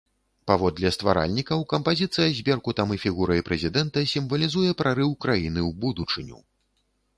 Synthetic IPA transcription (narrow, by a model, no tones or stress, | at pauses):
pavɔd̪lʲɛst̪va̰ɾa̰lʲnʲikɐwkɐmpazʲit̪sɨjɐzʲbʲɛrkut̪amɨfʲiɣuɾɐjpɾɛzʲid̪ɛnt̪ɐsʲimvɐlʲizujɛpɾʔaɾɨwkɾajinɨwbud̪ut͡ʂɨnʲṵ